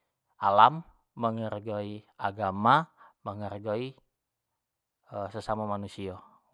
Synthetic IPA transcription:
ʔalamː | əŋərɡoiaɡamaməŋərɡoi | əsəsamamanusia

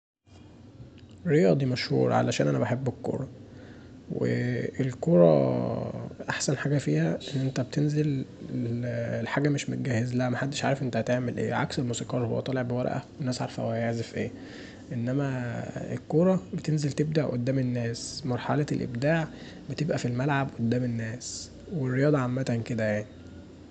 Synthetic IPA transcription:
rːejɑːd̪ˤiːmæʃhṵːɾˤɑ̰ʕa̰læʃæːnʔænæbaħebːekːo̰ɾˤɑ | wḛelkoɾˤɑ̰ | ʔaħsænħaːɡæfiːhæʔenːʔent̪æbt̪ʰenzel | lħaːɡæmeʃmot̪̚ɡæːhezælæhæmæħad̪ːeʃʕaːɾefʔent̪æhæt̪eʕmelʔḛːʕa̰kselmusiːqɑːɾˤhowːæ̰t̪ˤɑːleʕbewæ̰ɾˤʔæ̰wenːæːsʕɑɾfhowæjeʕzefʔeː | ʔenːæmæḛlkoːɾˤɑbet̪enzelt̪eb̚d̪aʕʔo̰d̪ːæːmenːæːsmɑɾˤħa̰lɑelʔḛbd̪aːʕ | bet̪ebʔæfilmælʕabʔod̪ːæːmenːæːs | werːejɑːd̪ˤɑʕamːæt̪ænked̪æjaʕni

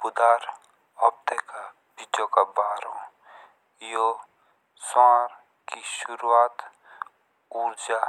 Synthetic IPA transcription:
pʊd̪aːɾ | ɔb̚t̪eka | bɪd͡ʒõkabaːɾõ | jo | saːɾ | kiʃʊɾuaːt̪ | uːɾd͡ʒa

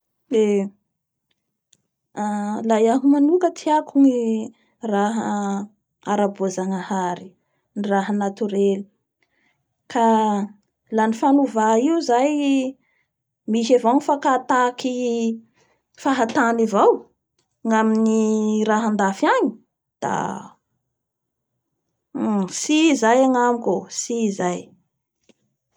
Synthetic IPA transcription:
e | alajaɦumanukət̪ʰiakuŋi | raɦa | a̰ɾabozaŋahaɾi | niraɦanat̪uɾeli̥ | kʰa | lanifanuvaiwzaj | miʃavanifakat̪aki | faɦat̪anivaw | ŋaminiɾaɦand̪afaɲi̥ | d̪̥a̰ | sizajaŋamikosiːzaj

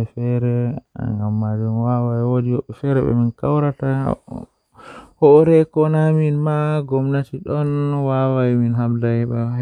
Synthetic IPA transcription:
fɛɾɛŋɡamːad͡ʒunwawajwodiwɔɓːɛfɛɾɛ̰ɓɛ̰minkawɾata | hɔɾɛkɔnaminmaɡɔmnatiɗɔnwawajiminɦamdajɓa

